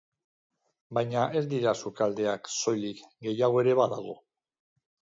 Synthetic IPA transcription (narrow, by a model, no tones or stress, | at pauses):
bajɲaʔe̞zd̪iɾasukald̪e̞akso̞jlikɡe̞jaɣoe̞ɾe̞βaðaɣ̞o̞̰